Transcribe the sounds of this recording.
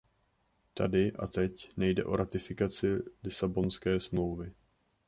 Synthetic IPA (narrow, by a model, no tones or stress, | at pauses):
t̪adɪʔa̰t̪ɛcnɛjdɛ̰ʔo̞̰ɾʔat̪ɪfɪkat͡sɪlɪsabo̞nskɛːsmlo̞wvɪ